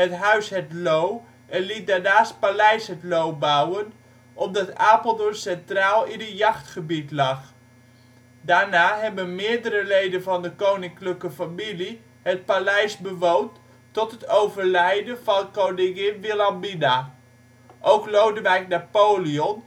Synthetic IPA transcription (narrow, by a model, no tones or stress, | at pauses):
ətɦœɥsɦɛtlow | ʔɛnlit̚daɹnaːst̚palɛjsɦətlowbawən | ʔɔp̚dɑtaːpəlˠdɔnsɛntraːlˠinəjɑχtχəbitlɑχ | daɹnaːɦɛbənmɪːɹdəɾəlejdənvɑndəkownɪŋkləkəfamili | hət̚palɛjsbəʋownt | tɔtɦətowvərlɛjdəvɑnkownɪŋɪnʋilambina | ʔowklowdəʋɛjknapowliɔn